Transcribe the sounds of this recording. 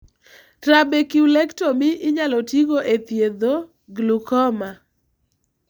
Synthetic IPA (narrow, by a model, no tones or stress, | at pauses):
tɾabekiwlɛktomɪʔɪɲalɔtiɡoʔet̪jed̪o | ɡlukɔma